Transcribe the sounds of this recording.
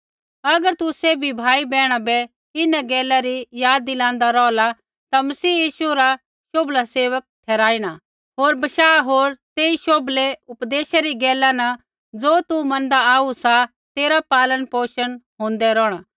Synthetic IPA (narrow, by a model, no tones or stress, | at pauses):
ɐɡəɾt̪ʊsebʱibʱaːibɛːɽ̃abɛ | ɪnãɡɛːlaɾijaːd̪ːilãːnd̪aɾɔːla | t̪amɐsiːjiːʃuɾa | ʃoːblaseːʋək̚ʈʰɛːɾaːiña | ɦoːɾbɐʃaːɦoːɾt̪eːiʃoːbleʊpd̪eːʃaɾiɡɛːlanɐ | d͡zoːt̪umɐ̃nd̪aaːusa | t̪eːɾapaːlənpoːʃənɦõːnd̪ɛɾɔːɽ̃aː